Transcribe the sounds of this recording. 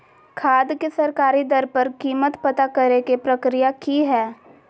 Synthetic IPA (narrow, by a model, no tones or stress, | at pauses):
kʰaːd̪kesɐɾkaːɾid̪ɐɾpəɾkiːmət̪pɐt̪akɐɾekepɾɐkɾijakiɦɛː